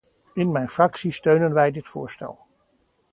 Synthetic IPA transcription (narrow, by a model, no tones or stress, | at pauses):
ɪnmɛjnfrɑksistøɥnənʋɛjdɪtfʊ̰ːɹstɛ̰lˠ